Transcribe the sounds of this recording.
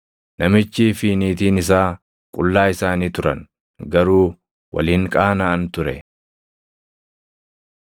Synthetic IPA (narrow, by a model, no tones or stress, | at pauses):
nɐmɪt͡ʃːiːfiːniːt̪iːnɪs̬aː | kʼʊlːaːɪsaːniːt̪ʊɾɐ̰n | ɡɐɾuː | wɐ̰lɪːŋkʼaːnaɐnt̪ʊɾɛ̰